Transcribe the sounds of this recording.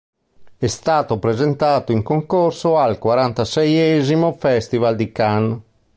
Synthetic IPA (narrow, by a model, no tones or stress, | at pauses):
ɛst̪aːt̪opɾezent̪aːt̪oiŋkoŋkorsoalkwaɾant̪asɛjɛzimofɛst̪ivald̪ikan